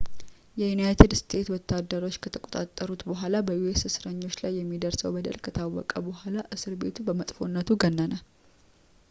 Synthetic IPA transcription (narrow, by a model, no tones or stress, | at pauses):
jɛjunajt̪ʰɨd̪st̪ʰe̞t̪wɔt̪ːad̪ːəɾo̞t͡ʃːkʰət̪ʰəkʼot̪ʼat̪ʼːəɾut̪bəɦʷalabəjuesɨsɾəɲːo̞t͡ʃːlajːɛmːid̪əɾsəwbəd̪ə̰lkʰət̪ʰawɔ̰kʼəbəɦʷalaʔɨsɨɾbe̞̰t̪ʰubəmət̪ʼfo̞nːət̪ʰuɡənːənə